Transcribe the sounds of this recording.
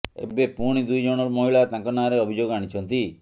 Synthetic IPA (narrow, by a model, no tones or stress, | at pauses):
ḛbepuɽ̃id̪ujd͡ʒɔɽ̃ɔɾmɔɦiɭat̪ãŋkɔnaɾeɔbʱid͡ʒoɡaɽ̃it͡ʃʰɔnt̪i